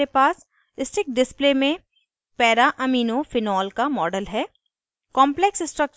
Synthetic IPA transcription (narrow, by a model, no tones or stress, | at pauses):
epaːs | ɪsʈɾɪk̚ɖɪsplemẽ | pɛːɾaʔɐmiːnofɪnɔːlkamɔːɖəlɦɛː | kɔːmplɛksɪsʈɾək̚t͡ʃ